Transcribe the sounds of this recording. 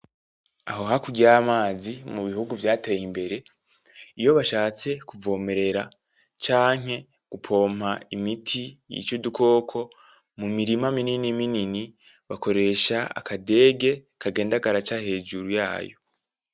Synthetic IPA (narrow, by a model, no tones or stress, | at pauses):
aɦo̞ɦakuɟiɾamaːzimuβihuɡuvjaːteːjimbe̞ɾe̞ | ijo̞βaʃaːt͡se̞kuvo̞ːme̞ɾe̞ɾa | t͡ʃaːŋ̥e̞ | ɡ̥upʰo̞ːm̥aimitʰijḭt͡ʃodukʰo̞ːkʰo̞ | mumiɾimamininiminini | βako̞ɾe̞ːʃaa̰kʰade̞ːɡe̞ | kʰaɡe̞ːndaɡaɾat͡ʃahe̞ːd͡ʒuɾuja̰ːjo̞̰